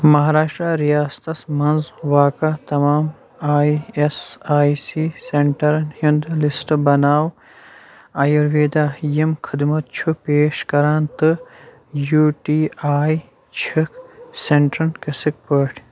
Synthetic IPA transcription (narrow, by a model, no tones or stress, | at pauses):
mɐɦaːɾaːʃʈɾaɾijaːst̪ɐsmɐnzwaːkat̪ɐmaːm | aːjesaːjsiseɳʈɐɾnhind̪lisʈbɐnaːw | aːjɐɾʋeːd̪aːjimkʰid̪mɐt̪t͡ʃʰupeːʃkɐɾaːnt̪ɨ | juːʈiːaːj | t͡ʃʰikseɳʈɾɐnkɐsik̚pəʈʰ